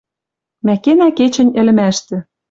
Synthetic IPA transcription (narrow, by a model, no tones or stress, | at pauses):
mækenæket͡ɕɘ̆nʲɘ̆lɘ̆mæʃt̪ɘ̆